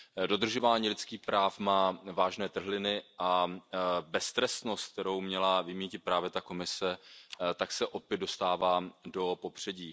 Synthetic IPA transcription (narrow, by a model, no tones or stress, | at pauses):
do̞d̪r̩ʒo̞vaːɲiːlɪtt͡sskiːxpɾaːfmaːvaːʒnɛːt̪r̩ɦlɪnɪʔa | bɛst̪ɾɛst̪nost̪̚k̚t̪ɛɾo̞wmɲɛlavɪmiːcɪt̪̚pɾaːvjɛt̪ako̞mɪsɛt̪aksɛʔo̞pjɛd̪̚do̞st̪aːvaːdo̞po̞pr̝̥ɛɟiː